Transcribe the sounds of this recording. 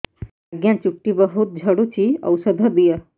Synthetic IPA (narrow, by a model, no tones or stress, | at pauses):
aɡjãt͡ɕuk̚ʈːibəɦut̪̚d͡ʑʱəɽut͡ɕiə̰wsəd̪ʱəd̪ijə